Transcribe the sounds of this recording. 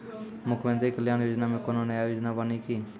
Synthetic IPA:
mʊkʰʋə̃nd̪ekəljaːnjoːd͡ʒnaːmẽkonõneaːjoːd͡ʒnabənikʰiː

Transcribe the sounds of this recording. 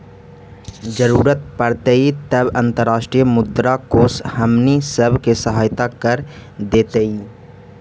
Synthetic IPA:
d͡ʒəɾuːɾət̪̚pəɽt̪eit̪əbə̃nt̪əɾːaːʃʈɾijmʊd̪ɾakoshəmnisəbʱkesəɦaːjt̪akəɾd̪eːt̪ei

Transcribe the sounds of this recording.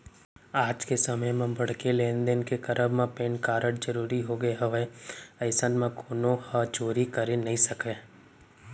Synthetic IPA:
aːd͡ʒkesɐməjmẽbɐɽkeleːnd̪enkekɐɾʔəbmẽpẽːnkaːɾəɽd͡ʒəɾuːɾiɦoɡəeɦɐʋeəɪsənmẽkoːnõhat͡ʃoːɾikɐɾenɐɦĩsɐke

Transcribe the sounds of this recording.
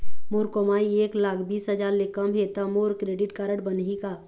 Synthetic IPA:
moɾkomaːieːklaːkʰbiːsɦəd͡ʒaːɾlekəmɦet̪əmoːɾkɾeːɖɪʈkaːɾəɽbənɦika

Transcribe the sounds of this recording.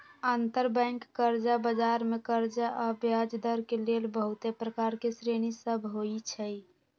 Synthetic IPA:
ant̪əɾbɛ̃ŋkːəɾd͡ʒabəd͡ʒaɾmekəɾd͡ʒaʔabjad͡ʒd̪əɾkelelbəɦut̪epɾəkaɾkesɾenisəbʱɦoit͡ʃʰəj

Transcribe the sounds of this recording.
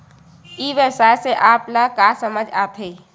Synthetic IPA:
iːʋəsaːjseʔaːplakasəməd͡ʒaːt̪ʰeː

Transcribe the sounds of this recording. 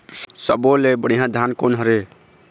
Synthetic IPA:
səbolebəɽiɦãd̪ʱankonɦɔɾe

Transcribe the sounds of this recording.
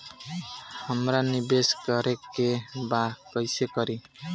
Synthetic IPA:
hamɾanibeskʌɾekːebakʌjsekʌɾi

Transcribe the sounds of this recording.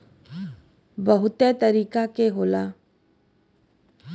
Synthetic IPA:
bəɦʊt̪et̪əɾiːkakeɦoːlaː

